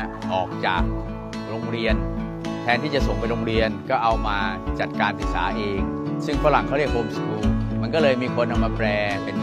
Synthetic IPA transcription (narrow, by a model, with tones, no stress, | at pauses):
ʔɔː˨˩k̚t͡ɕa̰ː˨˩k̚ | ɾoː˧ŋɾi˧ən | t̪ʰɛː˧nt̪ʰiː˥˩t͡ɕa˨˩ʔso˨˩ŋpa˧jɾoː˧ŋɾi˧ənkɔː˥˩ʔa˧wmaː˧t͡ɕa˨˩t̪̚kaː˧npi˨˩sa̰ː˩˦ʔeː˧ŋ | sɯ˥˩ŋfa˦˥la˨˩ŋkʰa˥˩ɾi˥˩ək̚hoː˧mskuː˧mma˧nkɔː˥˩lɤː˧jmiː˧kʰo˧nʔa˧maː˧pɾɛː˧pe˧n